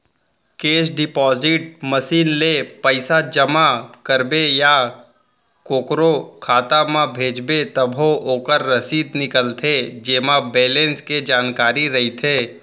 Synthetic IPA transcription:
keːsɖɪpɔːzɪʈməsiːnlepəɪsad͡ʒəmakəɾbeja | koːkɾokʰaːt̪amãbʱeːd͡ʒbet̪əbʱoʔoːkəɾːəsiːd̪nɪkəlt̪ʰed͡ʒeːmabeːlẽːnsked͡ʒaːnkaːɾiɾɐɦit̪ʰeː

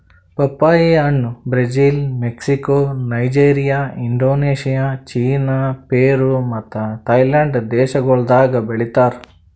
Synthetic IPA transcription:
pɐpːaːjiɐnːubɾed͡ʒiːlmeksikoːnɐjd͡ʒeːɾijaːiɳɖoːneːʃijaːt͡ʃiːnaːpeːɾumɐt̪ːɐt̪ɐjlɐɳɖd̪ɛːʃɐɡɔɭd̪aːɡɐbeɭit̪aːɾu

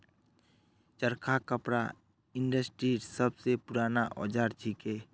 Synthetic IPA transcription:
t͡ʃəɾkʰakəpɾa̰ | ɪ̃ɳɖəsʈɾiːɾsəbsepʊɾaːnaʔɔ̰ːd͡ʒaːɾt͡ʃʰikeː

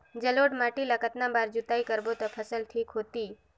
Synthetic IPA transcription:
d͡ʒəloːɖmaʈiləkət̪nãbaːɾd͡ʒut̪aikəɾbot̪əpʰəsəlʈʰiːkɦoːt̪iː

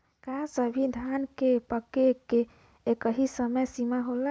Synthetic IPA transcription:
kasəbʱid̪ʱankepəkekeː | kəɦisəməjsimaɦola

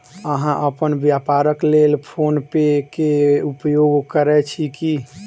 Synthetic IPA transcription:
əɦãʔəpənbjapaɾəklelpʰonpekeupjoɡkəɾɛt͡ʃʰiki

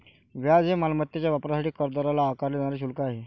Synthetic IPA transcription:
ʋjad͡zemalmət̪ːjet͡ɕjaʋapɾasaʈiːkəɾd̪ɔɾalaːkaɾled͡zaɳ̃aɾeɕ̬ulkaaɦe

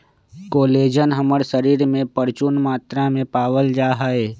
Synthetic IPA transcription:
koːleːd͡ʒənɦəməɽsəɾiːɾmẽpəɾt͡ʃʊnmaːt̪ɾamẽpaːwəld͡ʒaːɦaːeː

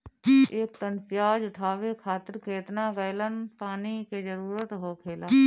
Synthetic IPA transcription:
eːk̚t̪ənpɪjaːd͡ʒʊʈʰaːʋekʰaːt̪əɾkeːt̪naɡəjlənpaːniked͡ʒəɾuːɾət̪ɦokʰeːla

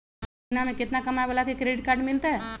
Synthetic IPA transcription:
namẽkɪt̪nakɐmajbəlakekɾeɖɪʈ̚kaːɾɖmɪlt̪eɛ

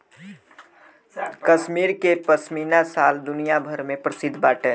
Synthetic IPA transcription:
kəʃmiːɾkepəsmiːnasaːld̪ʊnijabʱəɾmẽpɾəsɪd̪ʱːbaːʈe

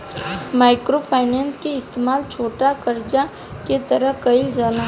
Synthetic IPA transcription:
maːɪkɾopʰaːɪnɛːnskeɪst̪eːmaːlt͡ʃʰoːʈakɐɾd͡ʒa | ket̪ɐɾəɦkɐɪld͡ʒaːna

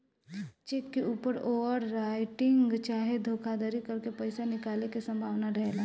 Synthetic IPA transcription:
t͡ʃeːkːeuːpəɾoːʋəɾːaːɪʈɪ̃ŋɡt͡ʃaːɦed̪ʱoːkʰad̪əɾikɐɾkepəɪsanɪkaːlekesɐ̃mbʱaːʋnaɾɐɦelaː

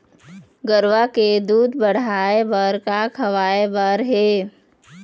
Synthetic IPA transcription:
ɡəɾʋaked̪uːd̪bəɽ̤aːebəɾkakʰɐʋaːebəɾɦeː

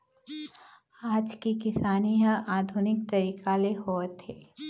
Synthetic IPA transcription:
aːd͡ʒkikɪsaːniɦəʔaːd̪ʱʊnɪk̚t̪ɐɾiːkaleɦoːt̪eː

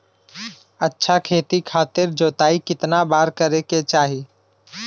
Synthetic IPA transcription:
ətːʃʰakʰeːt̪ikʰaːt̪ɪɾd͡ʒoːt̪aːikɪt̪nabaːɾkəɾeket͡ʃaːɦi

